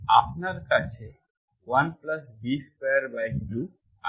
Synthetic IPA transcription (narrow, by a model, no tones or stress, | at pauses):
apnaɾkat͡ʃʰe | ʋənpləsbispeəɾbajkblu | a